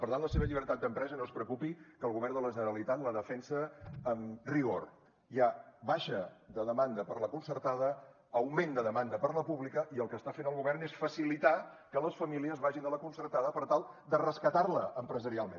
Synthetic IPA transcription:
pəɾt̪anləseβəʎiβ̞əɾt̪at̪d̪əmpɾɛzənospɾəkupikəlˠɣuβɛrnd̪ələʒənəɾəlit̪at̪ləðəfɛnsəːmriɣor | jaβaʃəðəðəmand̪əpəɾləkunsəɾt̪aðə | əwmend̪əðəmand̪əpəɾləpuβlikəʔiəlˠkəst̪afenəlˠɣuβɛrnesfəsilit̪a | kələsfəmiliəzβaʒind̪ələkunsəɾt̪aðəpəɾt̪alˠ | d̪ərəskət̪arləʔəmpɾəzəɾialˠmḛn

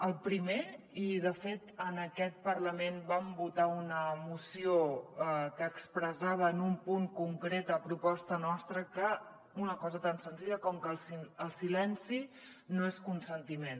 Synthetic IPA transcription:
əlˠpɾime | iðəfet̪ənəkɛt̪̚pərləmenbambut̪aunəmusioəkəːkspɾəzaβ̞əːnumpuŋkuŋkɾet̪əːpɾupɔst̪ənɔst̪ɾəkə | unəkɔzət̪ansənziʎəkɔmkəlˠsiəlˠsilɛnsi | noeskunsənt̪imen

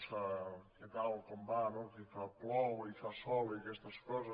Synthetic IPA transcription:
saket̪awkombanokifaplɔwifasɔliakɛst̪əskɔzə

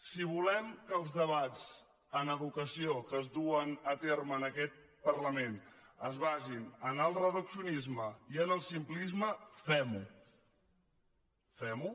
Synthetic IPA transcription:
siβ̞ulɛmkəlˠzðəβad͡z | ənəβukəsiokəzðuənət̪erməːnəkɛt̪̚ | pəɾləmenəzβazinənəlˠrəðəksiunizməiənəlˠsimplizməfɛmu | fɛmu

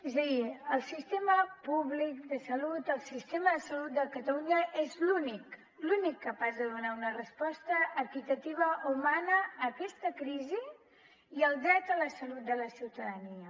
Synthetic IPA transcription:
ezəðiəlˠsist̪eməpuβlik̚d̪əsəlut̪əlˠsist̪eməðəsəlut̪̚d̪əkət̪əluɲəʔezlunik | lunikːəpazðəðunaunərəspɔst̪əʔːɾkit̪ət̪iβ̞əʔumanəːkɛst̪əkɾizi | iəlˠd̪ɾɛt̪ələsəlut̪̚d̪ələsiwt̪əðəniə

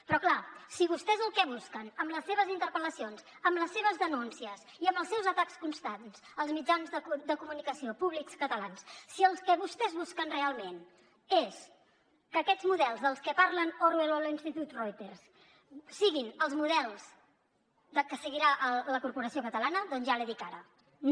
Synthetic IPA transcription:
pɾɔklasiβust̪ɛzəlˠkɛβ̞uskənəmləsːeβ̞əzint̪əɾpələsionz | əmləsːeβ̞əzðənunsiəz | iəmbəlˠsɛwzət̪akskunst̪anzəlˠzmid͡ʒanzðəkud̪əkumunikəsiopuβlikskət̪əlanssiəlˠskɛβust̪ɛzβuskənrealˠmen | es | kəːkɛd͡zmuðɛlˠzðəlˠskəpaɾlənorwɛləlinst̪it̪ut̪rojt̪eɾs | siɣinəlˠzmuðɛlˠz | d̪əkəsəɣiɾaʔələkuɾpuɾəsiokət̪əlanəðɔnzʒaliðikaɾə

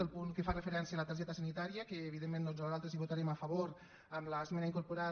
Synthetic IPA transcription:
əlˠpuŋkəfarəfəɾɛnsiəalət̪əɾʒɛt̪əsanit̪aɾiəkəːβiðemːenːozazalˠt̪ɾəziβut̪aɾeməfəβoɾ | əmləːzmɛnaiŋkuɾpuɾa

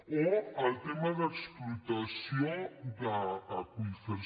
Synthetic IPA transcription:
oəlˠt̪eməðəksplut̪əsiod̪əkuinfəɾ

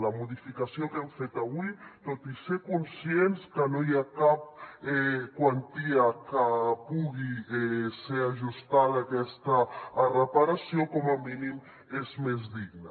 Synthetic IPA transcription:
lamuðifikasiokɛmfet̪aβujt̪ot̪isekunsjenskənojakap̚ɛkwant̪iakəpuɣiɛseaʒust̪alakɛst̪arəpaɾasjokɔmaminim | ezmezdiɡna

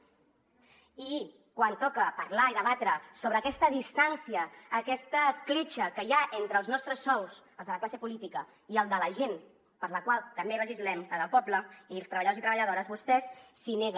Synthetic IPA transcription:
i | kwant̪ɔkəpəɾlaiðəβat̪ɾəsoβɾəːkɛst̪əðist̪ansiəːkɛst̪əːsklit͡ʃəkəjaʔent̪ɾəːlˠznɔst̪ɾəsːɔws | əlˠzðələklasepulit̪ikə | iəlˠd̪ələʒen | pəɾləkwalˠt̪əmberəʒizlɛmkaðəlˠpɔbləilˠst̪ɾəβəʎðozit̪ɾəβəʎəðoɾəzβust̪ɛsːineɣ

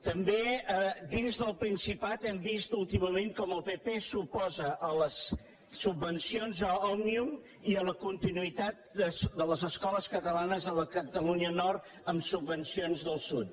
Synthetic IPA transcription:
t̪əmbeəd̪inzðəlˠpɾinsipat̪ɛmbist̪ulˠt̪iməmẽnkɔməlˠpepesupɔzəʔələsː | ubːənsionzəɔmnium | iələkunt̪inuit̪at̪̚d̪əsd̪ələzəskɔləskət̪əlanəzələkət̪əluniənɔrt̪ | əmsubːənsionzðəlˠsut̪

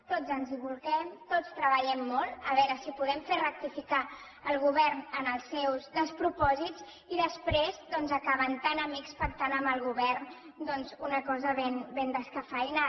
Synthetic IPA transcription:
t̪od͡zənziβulˠɣɛmt̪ot͡st̪ɾəβəʎɛmːɔlˠt̪əβɛɾəsipuðɛmferək̚t̪ifika | əlˠɣuβɛrnənəlˠsɛwzðəspɾupɔziz | iðəspɾezd̪ɔnzəkaβənt̪anəmikspək̚t̪anəmbəlˠɣuβɛrn | d̪ɔnzunəkɔzəβenbend̪əskəfaina

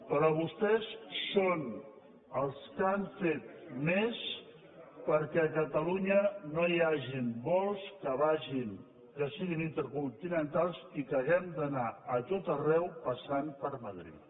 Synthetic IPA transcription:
pəɾɔβust̪ɛsːon | əlˠskaɱfet̪̚mes | pəɾkɛəkət̪əluɲənoiaʒimbɔlˠskəβaʒin | kəsiɣinint̪əɾkunt̪inənt̪alˠsikəɣɛmd̪ənaət̪ot̪ərɛwpəsanpəɾməðɾḭt̪

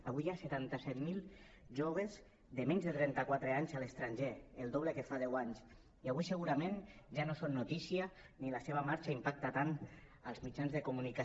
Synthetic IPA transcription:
aβujaset̪ant̪asɛt̪milˠ | ʒoβ̞ez | ðəmeɲzðət̪ɾɛnt̪akwat̪ɾeaɲzalest̪ɾaɲʒeelˠd̪oβlekefað̞ɛwaɲs | iaβujsəɣuɾamẽnʒanosonːut̪isia | nilaseβ̞amaɾt͡ʃaimpak̚t̪at̪anəlˠzmid͡ʒanzðekumunika

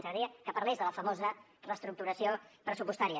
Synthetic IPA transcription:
nt̪əɾiəkəpəɾlezðələfəmozə | rəst̪ɾuk̚t̪uɾəsiopɾəsupust̪aɾiə

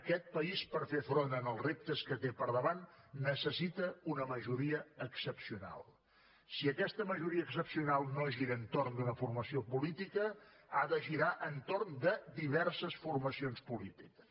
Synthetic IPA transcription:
əkɛt̪̚pəispəɾfefɾonənəlˠzrep̚t̪əskət̪epəɾðəβanːəsəsit̪əunəməʒuɾiəəksəpsiuna̰lˠ | siəkɛst̪əməʒuɾiəːksəpsiunalˠnoʒiɾənt̪ornd̪unəfurməsiopulit̪ikə | aðəʒiɾaʔənt̪oɾnd̪əd̪iβɛrsəsfurməsionspulit̪ikə̥s

